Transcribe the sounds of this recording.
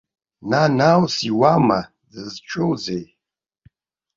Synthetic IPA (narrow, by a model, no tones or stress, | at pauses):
nanawsiwama | dɨzt͡ʃʰowzej